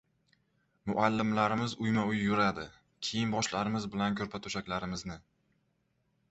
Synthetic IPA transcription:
mʊʔalːɪmlaɾɪmɪzʊjmaʊjjʊɾad̪ɪ | kʲʰejɪnbɒʃlaɾɪmɪzbɪlankʰʲɵɾpʰat̪ʰʊʃakʲlaɾɪmɪznɪ

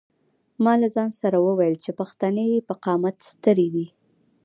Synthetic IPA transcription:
mɑlazɑnsaɾawəwajəlt͡ʃepaxt̪ɑnəjepəqɑmat̪st̪əɾed̪i

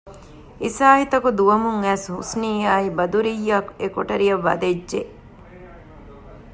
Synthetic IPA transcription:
isaːɦit̪ɐkud̪uʋɐmuŋæːshṵsniːaːibɐd̪uɾijːɐkekoʈɐɾijɐʋːɐ̰d̪ed͡ʒʒe

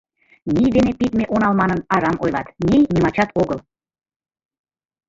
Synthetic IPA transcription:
nʲijd̪enepit̪meʔonɑlmɑnənɑɾɑmʔojlˠɑ̰t̪nʲejnimɑt͡ɕɑt̪oɣəl

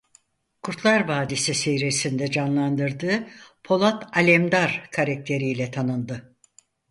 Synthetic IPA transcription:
kʰuɾt̪lˠaɾvaːd̪isisejɾesind̪ɛd͡ʒanlˠand̪ɯɾd̪ɯːpʰo̞lˠat̪alʲɛmd̪aɾkʰaɾak̚t̪ʰe̞ɾijlʲɛt̪ʰanɯnd̪ɯ

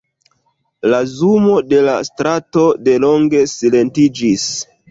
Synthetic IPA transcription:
lazumo̞de̞la̰stɾato̞de̞lo̞ŋɡe̞sile̞ntid͡ʒis

